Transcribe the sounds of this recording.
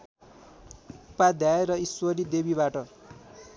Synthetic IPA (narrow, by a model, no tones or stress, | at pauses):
pad̪jaeɾʌiswʌɾid̪ebibaʈʌ